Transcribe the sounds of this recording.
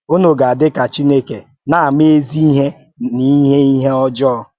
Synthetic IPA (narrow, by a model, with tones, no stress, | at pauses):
o˦no˨ɡa˨a˨dɪ˦ka˨t͡ʃi˦ne˦ke˨ | na˨a˨me˦e˦zi˦i˦ɦe˦ | ni˨i˦ɦe˦i˦ɦe˦ɔ˦d͡ʒɔ˦ɔ˦